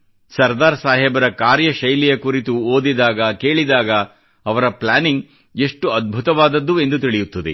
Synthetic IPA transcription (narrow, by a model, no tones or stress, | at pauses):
sɐɾd̪aːɾsaːɦɛbɐɾɐkaːɾjɐʃɐjlijɐkuɾit̪uoːd̪id̪aːɡɐke̞ːɭid̪aːɡɐ | ɐʋɐɾɐplaːniŋɡ | e̞ʂʈuɐd̪̚bʱut̪ɐʋaːd̪ɐd̪ːue̞nd̪ut̪iɭijut̪ːɐd̪ḛ